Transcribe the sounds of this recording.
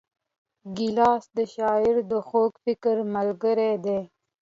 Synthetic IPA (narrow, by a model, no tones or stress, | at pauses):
ɡilɑːsd̪əʃɑːɪɾd̪əxoːkfɪkəɾməlɡəɾed̪eː